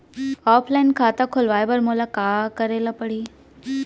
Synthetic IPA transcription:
ɔːpʰlaɪnkʰaːt̪akʰolʋaːjbəɾmolakaːkəɾelapəɽiː

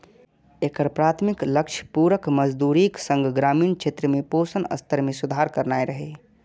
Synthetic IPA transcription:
ekəɾpɾaːt̪ʰmikləkʃʰpuːɾəkməd͡ʒd̪uːɾiksə̃ŋɡʱɡɾaːmiːnkt͡ʃʰet̪ɾəmẽpoːsənə̰st̪ʰəɾmẽsʊd̪ʱaɾkəɾnaːeɾəɦe

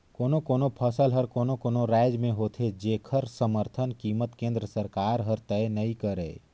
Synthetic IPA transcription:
koːnokoːnopʰəsəlɦəɾkoːnokoːnoɾaɪd͡ʒmẽɦoːt̪ʰed͡ʒeːkʰəɾsəməɾt̪ʰənkiːmət̪kẽːnd̪ɾəsəɾkaːɾɦəɾt̪ɛenəĩkəɾḛː

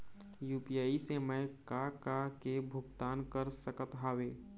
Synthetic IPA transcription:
jupijaiseməjkkakakebʱʊɡt̪aːnkəɾsəkət̪ɦaːweː

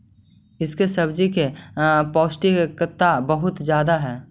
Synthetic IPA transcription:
ɪskesɐbd͡ʒikepɔːsʈikekət̪ːabəɦʊt̪d͡ʒjaːd̪aɦɛː

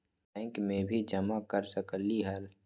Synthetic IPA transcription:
ŋkmẽbʱid͡ʒəmakəɾsəkəliɦəl

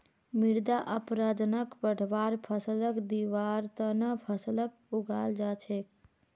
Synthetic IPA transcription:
miɽd̪aʔəpɾad̪nəkpəɽ̤ʱʋaɾpʰəsələkd̪iʋaɾt̪ənəpʰəsələk̚ | uɡʱald͡ʒat͡ʃʰek

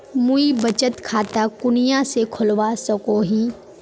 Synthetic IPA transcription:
muibɐt͡ʃət̪kʰaːt̪akʊnijãsekʰʊlʋasɐkoɦiː

